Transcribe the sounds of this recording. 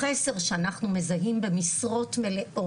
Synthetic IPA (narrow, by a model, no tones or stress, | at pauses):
ese̞ʁʃeanaχnume̞zaɦimbe̞misʁo̞tme̞leʔʔo